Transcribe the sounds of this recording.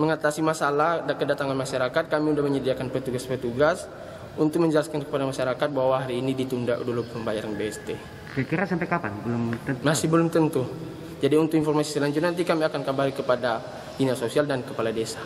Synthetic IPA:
məŋat̪asimasalahakədat̪aŋanmaʃaɾakat̪̚kamiudahməɲədiakanpərt̪uɡaspərt̪uɡas | unt̪ʊk̚məɲd͡ʒəlaskankəpadamaʃaɾakat̪̚bawawaɦaɾiːnidit̪unda̰ʔdulʊpəmbajaɾanbeɛst̪e | kakiɾasampɛkapanbəlʊmt̪əmassɪhbəlʊmt̪ənt̪u | d͡ʒadiunt̪ʊkinfɔrmasi̥səlaɲd͡ʒʊt̪̚nant̪̬ikamiakankabalikəpada | inasosialdankəpaladesḁ

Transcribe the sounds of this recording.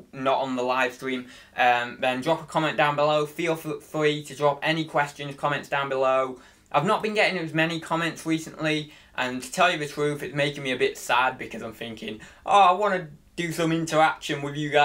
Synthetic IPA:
nəʔn̩ðəlaɪv̥stɹ̥ĩːm | ʔʌ̃mðə̃ndɹɒpəkʰɒmɛ̃nd̥ãʊ̃nbɪloʊfilˠffɹitʰədɹɒpɛnɪkʰw̥ɛst͡ʃɨ̃nz̥kʰɒmɛ̃ntsd̥ãʊ̃nbɪloʊ | ʔaɪvnəʔ̚b̥ɨ̃nɡɛɾɪ̃ŋɪt̚wɪzmɛnikʰɒmɛ̃ntsɹiˑsə̃nʔli | ʔə̃ntʰə̥tʰɛlˠjɨðətʰɹ̥ʉfɨtsmeɪkɪ̃ŋmiɨbɪtsad̚bɨkʰʌzãɪ̃mθɪ̃ŋkɪ̃ŋʔo̰aɪwɒ̃nəd̥ɨsʌ̃mɪ̃ntʰə˞akʃə̃nwɪðjɨɡa

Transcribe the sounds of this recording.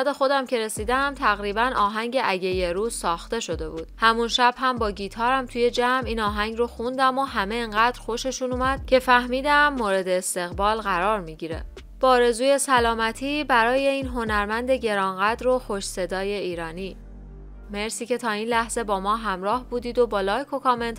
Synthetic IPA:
d̪e̞xo̞d̪æmcʰe̞ɾe̞siːd̪æmt̪ʰæɣɾiːbænɒːɦæŋɟe̞ʔæɟe̞jeɾuːz̥sɒːxt̪e̞ʃo̞d̪e̞buːd̪̥hæmunʃæb̥hæmbɒːɟiːt̪ʰɒːɾæmt̪ʰuːje̞d͡ʒæmiːnɒːɦæɲɟroxund̪æmoɦæme̞ːŋɢæːd̪̥ɾxo̞ʃe̞ʃunumæd̪̥̚cʰe̞fæhmiːd̪æmːoːɾe̞d̪eːst̪e̞ɣbɒːlɣæɾɒːɾmiɟiːɾe̞̰ | b̥ɒːɾe̞zuːje̞sælɒːmæt̪ʰiːbæɾɒːje̞iːnɦo̞næɾmænd̪e̞ɟe̞ɾɒːnɢæd̪ɾo̞xo̞ʃse̞d̪ɒːje̞iːɾɒːniː | me̞ɾsiːcʰe̞t̪ʰɒːiːnlæhz̥e̞bɒːmɒːɦæmɾɒːhbuːd̪iːd̪o̞bɒːlɒːjkʰo̞kʰɒme̞nt̪

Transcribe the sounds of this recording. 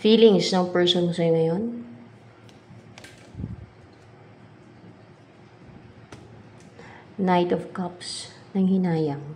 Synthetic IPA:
fiːlɪŋsnɐŋpɛɹsonsɐjoŋɐjon | najt̪ɔvkɐpsnɐŋhɪnaːjɐŋ

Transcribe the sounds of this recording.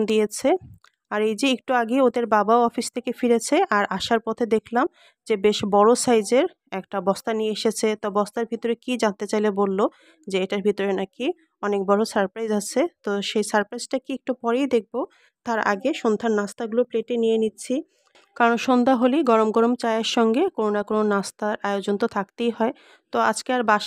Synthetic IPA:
d̪ijet͡ɕʰe | aɾejd͡ʑeek̚ʈuaɡeod̪eɾbabaoɔfist̪ʰekefiɾet͡ɕʰeʔaɾʔaʃaɾpɔt̪ʰed̪ekʰlam | d͡ʑebeʃbɔɾosajd͡ʑeɾ | ɛkʈabɔst̪anijeeʃet͡ɕʰet̪ɔbɔst̪aɾbʱit̪oɾekid͡ʑant̪et͡ɕajlebolːo | d͡ʑeeʈaɾbʱit̪oɾenaki | ɔnek̚bɔɾosaɾpɾajzat͡ɕʰet̪oʃejsaɾpɾajzʈakiek̚ʈupɔɾejd̪ek̚bo | t̪aɾa̰ɡeʃond̪ʱaɾnast̪aɡulopleʈenijenitːɕʰi | kaɾonʃond̪ʱaɦoliɡɔɾomɡɔɾomt͡ɕaeaɾʃɔŋɡekoɾonakononast̪aɾaeod͡ʑont̪ot̪ʰakt̪ejɦɔe | t̪oa̰d͡ʑkeaɾbaʃ

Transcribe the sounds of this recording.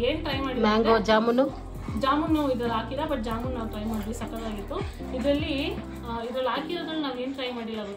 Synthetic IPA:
e̞ːnʈɾɐjmaːɽimaːŋɡod͡ʒaːmunːu | d͡ʒaːmunːɐid̪ɾɐlaːkilɐbɐʈ̚d͡ʒaːmunnaːʋuʈɾɐjmaːɖlisɐkɐlaːɡit̪ːu | id̪ɾɐlːi | id̪ɾɐlaːkiɾoːd̪ɐlːunaːʋe̞ːnʈɾɐjmaːɽilːaːɡu

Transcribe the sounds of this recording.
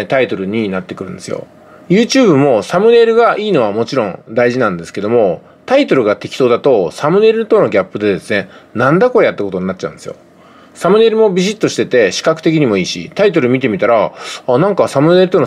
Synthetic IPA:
t̪ait̪o̞ɾɯ̟ɲ̟inat̪ːe̞kɯɾɯ̟̃nd̪e̞sɨjo̰ | jɯ̟ːt͡ɕɨːbɯ̟mo̞samɯ̟ne̞ɾɯ̟ɡaʔiːno̞β̞amo̞t͡ɕiɾõ̞ŋd̪aiʑinãnd̪e̞sɨ̥ke̞d̪o̞mo̞ | t̪ait̪o̞ɾɯ̟ɡat̪e̞kʲi̥t̪o̞ːd̪at̪o̞samɯ̟ne̞ɾɯ̟t̪o̞no̞ɡʲapːɯ̟d̪e̞d̪e̞sɨnenãnd̪ako̞ɾe̞jat̪ːako̞t̪o̞ɲ̟inat͡ɕːa̰ɯ̟̃nd̪esɨjo̰ | samɯ̟ne̞ɾɯ̟mo̞bʲiʑit̪ːo̞ɕi̥t̪e̞t̪e̞ɕi̥kakɯ̟̥t̪e̞kʲiɲ̟imo̞iːɕḭt̪ait̪oɾɯ̟mʲit̪̬e̞mʲit̪aɾaːnãŋkasamɯ̟ne̞ɾɯt̪on

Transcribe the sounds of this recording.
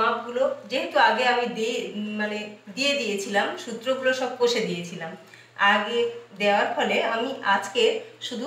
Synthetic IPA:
ap̚ɡulod͡ʑeɦet̪uaɡeamid̪imaned̪ijed̪ijet͡ɕʰilamʃut̪ːɾoɡuloʃɔb̚koʃed̪ijet͡ɕʰilam | aɡed̪eoaɾfɔleamiʔad͡ʑkeʃud̪ʱu

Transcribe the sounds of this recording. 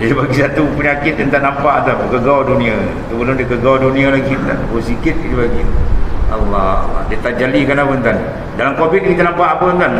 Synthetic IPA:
dipaɡisat̪upəɲakɪt̪̚jant̪aʔnampaʔt̪akəɡawdunĩa | t̪ubəlʊmdiəkəɡawdunĩalaɡint̪a̰nbusikɪt̪̚kidibaɡia̰lːadiət̪aʔd͡ʒalikanapənt̪an | dalamkobɪt̪̚ŋit̪anampaʔapənt̪an

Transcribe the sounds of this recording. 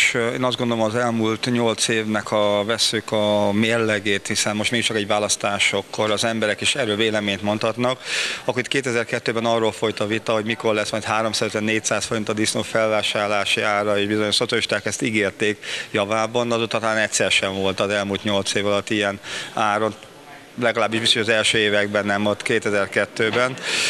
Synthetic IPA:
ʃeːnɒzd̪ɡond̪o̞lomɒzɛlmult̪ɲo̞lt̪seːvnɛkʰɒvɛsːykɒmeːrlɛɡeːt̪hisɛnmo̞ʃt̪meːɡiʃt͡ʃɒkɛɟvaːlɒst̪aːʃo̞kːo̞ɾɒzɛmbɛɾɛkeʃɛɾøːlveːlɛmeːɲt̪mo̞nt̪hɒt̪nɒkɒkːoit̪keːt̪ɛzɛrkɛt̪ːøːbɛnɒrːoːlfo̞jt̪ɒvit̪ɒɦo̞ɟmiko̞rlɛsmɒjt̪ɦaːɾo̞msaːzɛt̪ɛnːeːc̚t̪saːsfo̞ɾint̪ɒd̪isnoːfɛlvaːʃaːrlaːʃiaːrɒeːʒbizoɲoʃso̞t̪sjɒliʃt̪aːkɛst̪iɡeːrt̪eːkjɒvaːbɒnɒzoːt̪ːɒt̪ɔlaːnɛcʲsɛɾʃɛɱvo̞lt̪ɒzɛlmuːlt̪ɲo̞lt̪seːvɒlɒt̪ːijɛnaːɾo̞n | lɛɡɒlaːbːiʒbist̪oʃɒzɛlʃøːeːvɛɡbɛnːɛmot̪keːt̪ɛzɛrkɛt̪ːøːbɛn

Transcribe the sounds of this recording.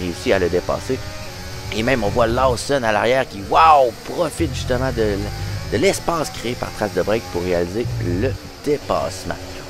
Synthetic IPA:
ʁeysialəd̪epa̰ːse | emɛ̃mɔ̃vwalasɔnalaʁjɛːʁkʲiwawpʁɔfɪt̪ʒyst̪əmɑ̃d̪əld̪̥əlɛspɑːskʁeepa̰ʁ̥t̪χasd̪əbʁɛjk̚puʁːealizelə | d̪̥epa̰ːsmã̰

